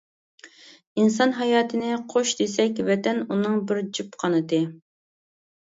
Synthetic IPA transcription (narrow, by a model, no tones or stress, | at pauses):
insɑnɦɑjɑːt̪ʰɨnɪqʰoʃd̪esɛkʲvɛt̪ɛnunɨŋbɪɾd͡ʒipqʰɑnɨt̪ɨ